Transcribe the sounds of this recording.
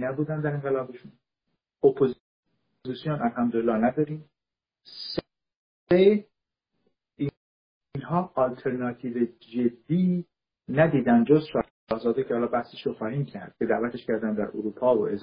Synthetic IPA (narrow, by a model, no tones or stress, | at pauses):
næbuːd̪ænd̪æɾe̞nŋɢelɒːbe̞ʃun | opʰoz | zisijonʔælhæmd̪oelːɒːnæd̪ɒːɾiːm | s | e | i | nɦɒːɒlt̪ʰe̞ɾnɒːt̪ʰiːved͡ʒe̞d̪ːiː | næd̪iːd̪ænd̪d͡ʒozʃɒː | hzɒːd̪ecʰehɒːlɒːbæseʃɾoxɒːhiːmcʰæɾd̪̥̚ce̞d̪æʔvæt̪ʰeʃcʰæɾd̪ænd̪æ̰ɾʔoɾuːpʰɒːvo̰ez